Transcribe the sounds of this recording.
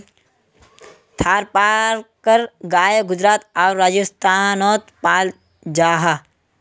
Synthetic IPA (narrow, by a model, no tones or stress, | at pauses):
t̪ʰaːɾpaːɾkəɾɡaːjeɡʊd͡ʒɾaːt̪ɔːɾːaːd͡ʒəst̪ʰaːnɔːt̪paːl | d͡ʒaːɦaː